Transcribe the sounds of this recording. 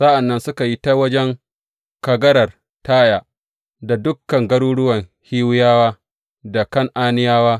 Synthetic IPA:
sa˦ʔa˨nːɐ˦nsʊ˦ka˨ji˦ta˦wɐ˦d͡ʒɛ˦ŋ | kɐ˨ɡɐ˦ɽɐ˨r | taː˦jaː˦ | da˨dʊ˦kːɐ˨ŋɡɐ˦ɽuː˦ɽʊ˦wɐ˨ŋhiː˦wʊ˦jaː˦waː˦ | da˨kɐ˦ŋʔaː˦nɪ˦jaː˦waː˦

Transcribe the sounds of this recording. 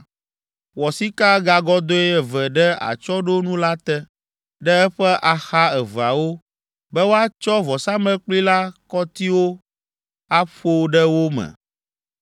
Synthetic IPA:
wɔ˨si˦ka˦ɡa˨ɡɔ˦d̪o˦ɛ˦ɛ˨vɛ˨ɖɛ˦a̰˨t͡ʃɔ˦ɖo˦nũ˦la˦t̪ɛ˦ | ɖɛ˦ɛ˦ɸɛ˦ʔa˨xa˦ɛ˨va˨wo˦ | bɛ˦wo˦a˦t͡ʃɔ˦vɔ˨sa˦mɛ̃˦k͡pli˦la˦kɔ˦t̪i˦wo˦ | a˦ɸo˦ɖɛ˦wo˦mɛ̰̃˨

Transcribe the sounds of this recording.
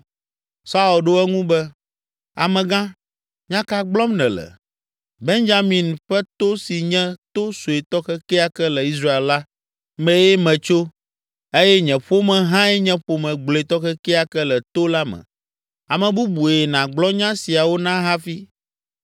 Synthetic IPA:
sa˦u˨lɖo˦ɛ˦ŋũ˦bɛ˦ | a˨mɛ̃˨ɡã˦ | ɲ˦ã˦ka˨ɡ͡blɔ˦mnɛ̃˨lɛ̰˨ | be˦nd͡ʒa˦mĩ˨nɸɛ˦t̪o˦si˨ɲɛ̃˦t̪o˦so˨e˨t̪ɔ˦xɛ˦kɛ˦a˨kɛ˦lɛ˨i˦s̬ɾa˦e˨lla˦ | mɛ̃˦jɛ˦mɛ̃˨t͡ʃo˦ | e˦jɛ˦ɲɛ̃˨ɸo˦mɛ̃˨ɦã˦ɛ˦ɲɛ̃˦ɸo˨mɛ̃˨ɡ͡blo˨e˨t̪ɔ˦xɛ˦kɛ˦a˨kɛ˦lɛ˨t̪o˦la˦mɛ̰̃˨ | a˨mɛ̃˨bu˦bu˨e˨nã˨ɡ͡blɔ˦ɲã˦si˨a˨wo˦nã˦ɦã˦fi˦

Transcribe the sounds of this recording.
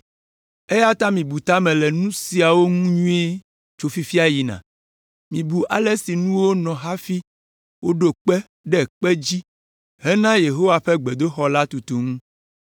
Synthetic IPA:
e˦ja˦t̪ã˦mĩ˨bu˨t̪a˦mɛ̃˨lɛ˨nũ˦si˨a˨wo˦ŋũ˦ɲũ˦e˦ | t͡ʃo˨fi˦fi˦a˦ji˨nã̰˨ | mĩ˨bu˨ʔa˨lɛ˦si˨nũ˦wo˦nɔ̃˨ɦa˦fi˦ | wo˦ɖo˨k͡pɛ˦ | ɖɛ˨k͡pɛ˦d͡ʑi˦ | ɦɛ˦nã˦je˨ɦo˦wa˨ɸɛ˦ɡ͡be˨d̪o˦xɔ˦la˦t̪u˨t̪u˨ŋũ˦

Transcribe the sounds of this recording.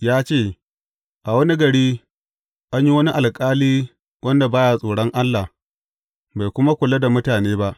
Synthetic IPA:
jaː˦t͡ʃeː˦˨ | ʔa˨wɐ˦ni˦ɡɐ˨ɽiː˦ | ʔa˦ɲji˦wɐ˦ni˦ʔa˨lkʼaː˦liː˦ | wʔɐ˦nda˨baː˦ja˨sʼoː˨ɽɔ˦ŋʔa˦lːa˨ | ba˨jkʷʊ˦ma˦kʷʊ˨lɐ˦da˨mʊ˦taː˨neː˦ba˦ʔ

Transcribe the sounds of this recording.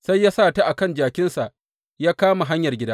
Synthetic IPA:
sa˦jːaː˦saː˦˨ta˦ʔa˨kɐ˦nd͡ʒaː˨kʲɪ˦nsa˨ʔ | jaː˦kaː˦ma˨ɦa˦ɲjɐ˨rɡʲɪ˦daː˦

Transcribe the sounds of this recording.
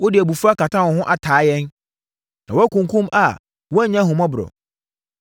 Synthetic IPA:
wɔ˦dɪ˨æ˨bu˨fu˦ɾa˦ka˨tʰã˦˨wɔ˨ɦʊ̃˦ʔa˨tʰaː˨˦jɛ˦n | nã˨wɔ˦æ˦kʰũ˨ŋ˨kʰũ˦ma˨ | wɔ˦˨˦ɲã˦ɦʊ̃˨mɔ̃˦bʊ˨ɾɔ̰˨

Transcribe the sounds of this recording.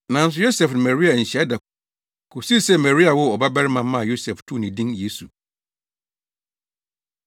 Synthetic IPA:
nã˨n̩˦s̬ʊ˨jo˦sɛ˨fnʊ̃˨mɛ˨ɾi˦a˨ɲ̩˨ɕɛ˦da˨ | kʰʊ˨si˦˨sɛ˦mæ˨ɾi˦a˨wʊ˦ɔ˨ba˦bæ˦ɾɪ˦mã˦m˦mã˦˨jo˦sɛ˨ftʰu˦˨nɪ̃˨dĩ˦nje˦su˨

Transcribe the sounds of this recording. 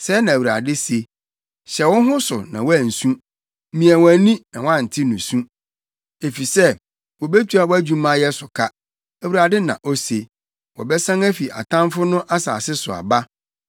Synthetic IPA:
sɛ˨˦nã˨æ˨u˨ɾa̰˨dɪ˦se˨ | ɕɛ˨wɔ˦ɦʊ̃˦sʊ̰˨nã˨wæ˦˨n̩˨sũ˦ | mĩ˨ɛ̃˨wæ˨nĩ˦ɛ̃˨wã˦˨n̩˨tʰɪ˦nũ˨sũ˦ | e˨fi˨sɛ˦ | wɔ˨be˦tʰu˨˦a˨wɔ˦æ˦d͡ʑᶣũ˦mã˦jɛ˦sʊ˨kʰa˦ | æ˨wu˨ɾa˨dɪ˦nã̰˨ʔo˦se˨ | wɔ̰˨bɛ˦sã˦ŋæ˦fi˨ʔa̰˨tʰã˦mfʊ˦nʊ̃˦ʔa˦sa̰ː˨sɪ˦sʊ˨a̰˨ba˦

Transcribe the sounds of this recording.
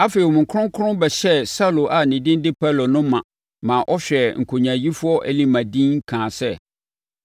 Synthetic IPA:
a˦fe˨i˨wɔ˨mʊ̃˨ŋ˨kʰʊ̃˦ŋ˦kʰʊ̃˦bɛ˨ɕɛ˦sa˦˨lo˨ʔa˨nɪ̃˨dɪ̃˦n˦dɪ˦pʰɛ˦lo˨nʊ̃˦mã˨ | mã˨ʔɔ˦ɕᶣɛ˨ŋ̩˨kʰo˨ɲã˨ji˦fʊ˦ɔ˦ʔɛ̰˨li˦mã˨dĩ˦ŋ˦kʰãː˨sɛ˦

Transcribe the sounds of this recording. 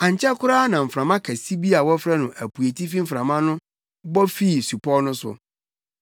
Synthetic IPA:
ã˨ɲ˨t͡ɕʰɛ˦kʰʊ˦ɾa˦nã˨m̩˨fɾã˨mã˦kʰæ˨si˦bi˦a˨wɔ˦fɾɛ˦nʊ̃˨ʔæ˨pʰu˨e˨tʰi˦fi˦m̩˨fɾã˨mã˦nʊ̃˦ | bɔ˦fi˦˨su˨pʰɔ˦nʊ̃˦sʊ̰˨

